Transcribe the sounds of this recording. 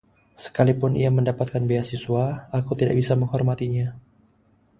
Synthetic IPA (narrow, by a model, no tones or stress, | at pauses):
sə̥kalipʊnʔḭaməndapat̪̚kanbeasisuaakut̪ida̰ʔ̚bisaməŋɦɔrmat̪iɲa